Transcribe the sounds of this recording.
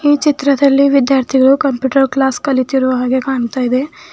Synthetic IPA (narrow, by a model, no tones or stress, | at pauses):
iːt͡ʃit̪ɾɐd̪ɐlːiʋid̪jaːɾt̪ʰiɡɐɭukɐmpjuːʈɐɾklaːskɐlit̪iɾuʋɐɦaːɡe̞kaːɳt̪aːjid̪e̞